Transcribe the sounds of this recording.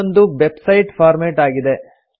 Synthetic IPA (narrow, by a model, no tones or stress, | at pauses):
nd̪uʋebsɐjʈpʰaːɾmeːʈaːɡid̪e